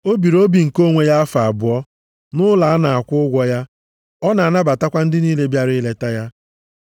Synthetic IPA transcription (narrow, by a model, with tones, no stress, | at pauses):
o˦bi˨ɾo˦bi˨ŋ̩˨ko˦ŋʷe˨ja˦a˦fa˨a˨bʊ˨ɔ˦ | nʊ˦la˨a˦na˨a˨kʷʊ˦ʊ˦ɡʷɔ˦ja˦ | ɔ˦na˨a˨na˦ba˨ta˦kʷa˦n̩˦dɪ˦niː˦le˦bja˦ɾɪ˦le˦ta˦ja˦